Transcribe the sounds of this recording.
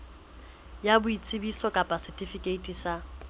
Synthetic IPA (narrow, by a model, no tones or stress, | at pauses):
jabʊit͡sʼɪbisɔkʼapʼasɛtʼifikʼeitʼisa